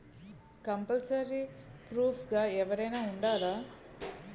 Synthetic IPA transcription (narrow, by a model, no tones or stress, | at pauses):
kɐmpɐlsɐɾipɾuːfɡaeʋɐɾɐjnɐuɳɖaːla